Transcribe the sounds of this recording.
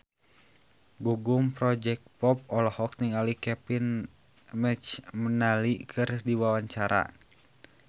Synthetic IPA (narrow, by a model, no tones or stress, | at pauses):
ɡuɡumpɾɔd͡ʒɛk̚pɔp̚ɔlɔhɔk̚niŋalikɛpin | mɛt͡ʃmənalikʰɨrdiwawaɲt͡ʃaɾa̰